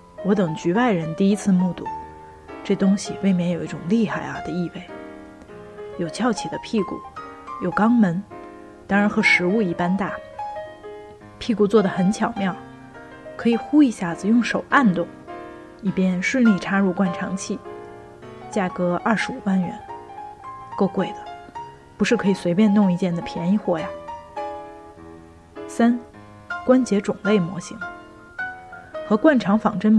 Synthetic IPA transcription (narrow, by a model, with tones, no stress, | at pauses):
wɔ˧˥t̪ɤ˨˩ŋt͡ɕy˧˥wa˥˩ɪɻə˧˥nt̪i˥˩i˥t͡sʰɹ̩˥˧mu˥˧t̪ṵ˥˩ | ʈ͡ʂɤ˥˩t̪ʊ˥ŋɕi˨wɪme˧˥njo˨˩ʊi˥ʈ͡ʂʊ˨˩ŋli˥˧xa˥˩ɪa̰˧˩d̪ə˩i˥˧we˥˩ɪ | jo˨˩ʊt͡ɕʰjɑ˥˩ʊt͡ɕʰɛ˨˩d̪ə˦pʰi˥˧kṵ˥˩jo˨˩ʊkɑ˥ŋmə˧˥n | t̪ɑ˥ŋɻa˧˥nxɤ˧˥ʂɻ̩˧˥u˥˧i˥˩pa˥nt̪a˥˩ | pʰi˥˧ku˥˩t͡swɔ˥˩d̪ə˩xə˧˥nt͡ɕʰjɑ˨˩ʊmjɑ˥˩ʊ | kʰɤ˧˥i˨˩xu˥i˧ɕja˥˩t͡sɹ̩˨˩jʊ˥˩ŋʂo˨˩ʊʔa˥˧nt̪ʊ˥˩ŋ | i˨˩pjɛ˥˧nʂɻ̩˥˧nli˥˩ʈ͡ʂʰa˥ɻu˥˧kwa˥˩nʈ͡ʂʰɑ˧˥ŋt͡ɕʰi˥˩ | t͡ɕja˥˩kɤ˧˥ɐ˥˩ʂɻ̩˧˥u˨˩wa˥˩nɥɛ̰˧˥n | ko˥˧ʊkwe˥˩ɪd̪ə̥˩ | pu˧˥ʂɻ̩˥˩kʰɤ˧˥i˨˩swe˧ɪpjɛ˥˧nt̪ʊ˥˧ŋi˧t͡ɕjɛ˥˩nd̪ə˩pʰjɛ˧˥ni˧˥˧xwɔ˥˩ja˨ | sa˥n | kwa˥nt͡ɕjɛ˧˥ʈ͡ʂʊ˨˩ŋle˥˩ɪmwɔ̰˧˥ɕi˧˥ŋ | xɤ˧˥kwa˥˩nʈ͡ʂʰɑ˧˥ŋfɑ˨˩ŋʈ͡ʂə˥n